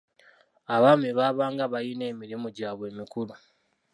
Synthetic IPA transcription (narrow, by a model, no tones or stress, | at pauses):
aβameβaːβaːŋɡaβajine̞ːmiɾimuɟaːβwe̞ːmikuɾu